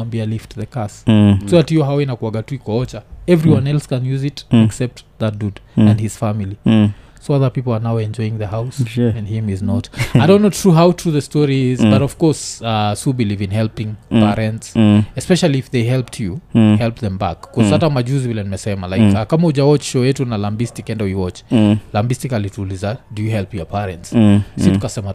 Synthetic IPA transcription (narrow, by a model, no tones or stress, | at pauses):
ãmbialiftðəkastuatjɔɦawinakwaɡatuikɔɔt͡ʃaɛvɹiwãnɛlˠskə̃njuzɪtɛksɛp̚tðat̚dudɨ̃ndhɪz̥famili | soaðə˞pipl̩ˠa˞naʊɛ̃nd͡ʒɔɪɪ̃ŋðəhaʊsɨ̃nhĩmɪznɔtaaɪdõʊ̃nːoʊt̪ʰɹuɦaʊtʰɹuðəstɔɹiɪzbʌɾɔv̥kɔɹsasubilivɨ̃nɦɛlˠpɪ̃ŋpɛɹɛ̃ntsɛspɛʃalˠiːfðeɪɦɛlˠp̚tʰjuhɛlˠpðɛ̃mba̰kːɔzatamad͡ʒuzwilɛ̃nmɛsɛmalaɪkakamaud͡ʒawɔt͡ʃʃoɛtunalãmbistɪkɛ̃ndəwiwɔt͡ʃlãmbistɪkalitʰulizadɨjɨɦɛlˠpjəpʰɛɹɛ̰̃ntssiukasɛma